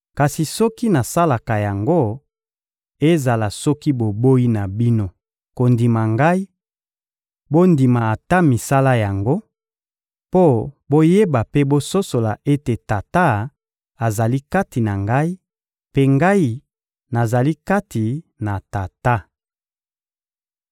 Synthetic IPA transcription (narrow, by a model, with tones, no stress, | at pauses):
ka˨si˨sɔ˦ki˦na˨sa˦la˨ka˨ja˨ŋɡo˦ | e˦za˨la˨sɔ˦ki˦bo˨bo˦i˦na˨bi˦no˦ | ko˨ndi˨ma˨ŋɡa˦i˦ | bo˦ndi˨ma˨a˨ta˦mi˨sa˦la˦ja˨ŋɡo˦ | po˦bo˦je˦ba˨pe˦bo˦so˦so˨la˨ʔe˦te˨ta˨ta˦ | a˨za˨li˦ka˦ti˨na˨ŋɡa˦i˦ | pe˦ŋɡa˦i˦ | na˨za˨li˦ka˦tʰi˨na˨ta˨ta˦